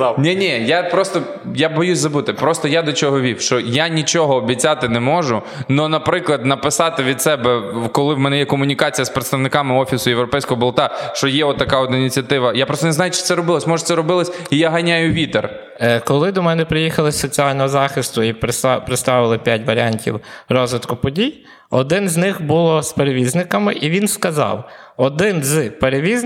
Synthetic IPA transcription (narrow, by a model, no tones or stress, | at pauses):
nʲinʲɛjapɾɔst̪ɔ | jabɔjusʲzɐbut̪ɪpɾɔst̪ɔjad̪ɔt͡ʃɔɦɔʋʲiwʃt͡ʃɔjanʲit͡ʃɔɦɔːbʲit͡sʲːat̪ɪnɛmɔʒʊ | nɔnɐpɾɪklˠɐd̪nɐpɪsɑt̪ɪʋʲid̪sɛbɛkɔlˠɪwmɛnɛjɛkɔmʊnʲikɑt͡sʲijɐspɾɪt̪st̪ɐʋnɪkɑmɪɔfʲisʊjewɾɔpɛjsʲkɔɦɔbɔlˠt̪ɑʃt͡ʃɔjɛɔt̪ːɐkɑɔd̪inʲit͡sʲiɐt̪ɪʋɐjapɾɔst̪ɔnzɑajʊt͡ʃɪ̥t̪sɛɾɔbɪlˠɔsʲmɔʒɛsɛɾɔbɪlˠɔsʲijaɦɐnʲajʊʋʲit̪er | kɔlˠɪd̪ɔmɛnɛpɾɪjixɐlˠɪsɔt͡sʲiɑlʲnɔɦɔzɑxɪst̪ʊippɾɪt̪st̪ɑʋɪlˠɪpʲjatʲʋɐɾʲiɑnʲtʲḭwrɔzʋɪt̪kʊpɔdʲij | ɔd̪ɪnzʲnɪxbulˠɔspeɾeʋʲiznɪkɐmɪʔiʋʲinskɐzɑ̰wɔd̪ɪnzpeɾeʋʲiz